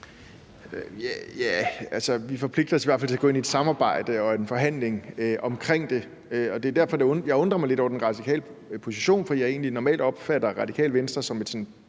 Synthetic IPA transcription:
øjæjæælsəʋifɒ̽pʰle̝ɡ̥̚d̥ɐɒ̽siʋæɐ̰fælt͡sʰe̝æɡ̥ɔ̽e̝nied̥sɑ̈mɑ̈ːb̥ɑ̈ɪ̰d̥əɒ̽e̝nfɒ̽ɦæn̰le̝ŋøʔɒ̽mkʰʁeŋ̰d̥e̝ | ɒ̽d̥e̝æɐd̥æɐ̰fɒ̽d̥ejɑ̈ɪɔ̽nd̥ʁɐmɑɪle̝ɾɒʊɐd̥enʁɑ̈d̥ikʰɛ̰ːlə | pʰo̝siɕo̝̰ːnfɒd̥ijɑe̝̰ːn̩linɒmɛ̰ld̥ɒ̽b̥fæɾ̥ɐʁɑ̈dikʰɛ̰ːlʋensd̥ɐsɒ̽me̝d̥sɒ̽n

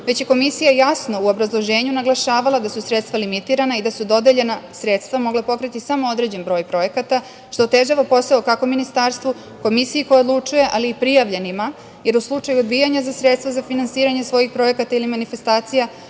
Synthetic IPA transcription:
ʋe̞t͡ɕje̞ko̞misijajasno̞uo̞bɾazlˠo̞ʒe̞ːɲunaɡlˠaʃaːʋalˠad̪asusɾet̪st̪ʋalimit̪iːɾanaid̪asud̪o̞d̪e̞ʎe̞nasɾet̪st̪ʋamo̞ɡlepo̞kɾit̪isamo̞od̪ɾe̞d͡ʑe̞nbɾo̞ːjpɾo̞je̞kat̪a | ʃt̪o̞ːt̪e̞ʒaʋapo̞saokako̞minist̪aɾst̪ʋu | ko̞misijiko̞jeod̪lˠut͡ʂuje̞ʔaliːpɾijaʋʎe̞nima | je̞ɾuslˠut͡ʂajuod̪bijaɲazasɾet̪st̪ʋazafinansiːɾaɲe̞sʋo̞jixpɾo̞je̞kat̪ailimanife̞st̪aːt̪sija

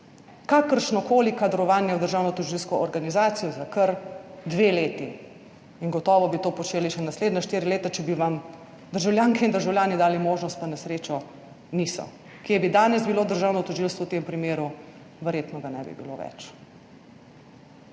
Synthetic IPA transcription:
kaːkəɾʃnɔkoːlikad̪ɾɔʋaːnjɛwd̪əɾʒaːwnɔt̪ɔʒilskɔʔɔɾɡanizaːt̪sijɔzakəɾd̪ʋeːleːt̪i | iŋɡɔt̪ɔːʋɔbit̪oːpɔt͡ʃeːliʃɛnasleːd̪naʃt̪iːɾileːt̪at͡ʃɛbiʋam | d̪əɾʒawljaːŋkɛind̪əɾʒawljaːnid̪aːlimoːʒnɔst̪panɛsɾeːt͡ʃɔ | nisɔ̰ | kjebid̪aːnɛsbiloːd̪əɾʒaːwnɔt̪ɔʒilst̪ʋɔwt̪empɾimeːɾu | ʋɛɾjet̪nɔɡanɛ̰bḭbḭlo̰ʋɛ̰t͡ʃ

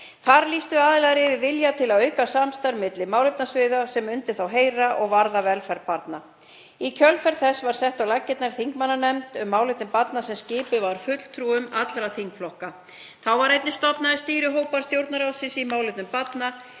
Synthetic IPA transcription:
θaɾliːst̪ʏaːðɪlɛɣɾɪvɪvɪljat̪ʰɪlaðœɥkasamst̪aɾmɪt̪lɪmawlepnasvɪːðasɛmʏnt̪ɪθawɦeːjɾaʔɔɣvaɾðavɛlfɛɾpaɾt̪na | icʰœlfɛɾðθɛsvaɾ̥sɛht̪awlacːɪt̪naɾ̥θiŋkmanːanɛmt̪ʏmːaːwlɪt̪nʏmpat̪nasɛmscɪːpʏvaɾ̥fʏt̪l̥t̪ʰɾuːʏmat̪lɾaθiŋkflɔhka | θawvaɾejt̪nɪst̪ɔpnaɪst̪iːɾʏɦoːwpaɾst̪jowɾt̪naɾawsɪsimaːwlɪt̪nʏmpat̪na

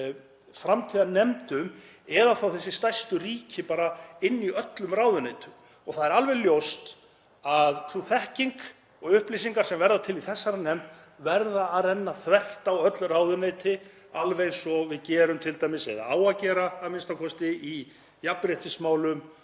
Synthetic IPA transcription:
fɾamt̪ʰiðanɛmt̪ʏm | ɛðaθawθɛsːɪst̪ajst̪ʏriːcʰɪpaːɾaɪnːiœt̪lʏmraːwðʏneːjt̪ʰʏm | ɔɣθaðɛɾalvɛɣljowst̪ | aðθuθɛhciŋk | ɔɣʏhplisiŋkaɾ̥sɛmvɛɾðat̪ʰɪliθɛsːaɾanɛmt̪ | vɛɾðaːðrɛnːaθvɛht̪awœt̪lraːwðʏneːjt̪ɪ | alvejɣsɔvɪðcɛːɾʏmt̪ʰɪlt̪aːjmɪsɛ̰ða̰aːwacɛːɾaːmɪnst̪akʰɔst̪ɪi | japɾjɛht̪ɪsmaːwlʏm

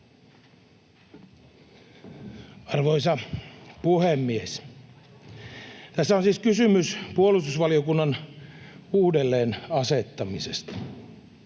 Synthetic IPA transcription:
ɑrʋoisɑpuhemːies | t̪æsːæonsiːskysymyspuolust̪usʋɑliokunːɑn | uːdelːeːnɑset̪ːɑmisest̪ɑ̥

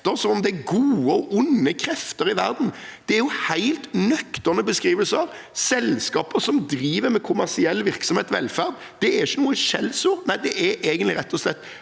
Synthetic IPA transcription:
t̪əɾsɔmɔmd̪ɛæɡuːəɔʔʊnːəkʰɾɛft̪əɾɪʋæɾd̪n̩d̪̥ɛæɾjʊhæɪlt̪nœkt̪əʁnəbəskɾiːʋəlsəɾ | sɛlskɑːpəɾsɔmd̪ɾiːʋəɾmɛkʰʊmæʁsɪɛlːʋɪʁksɔmheːt̪ʋɛ̰lfæʁd̪ | d̪ɛæɾɪçːənuːəʃɛlːsuːʁnæɪd̪ɛʔɛɾʔeːɡənlɪɾɛt̪ːɔslɛt̪ː

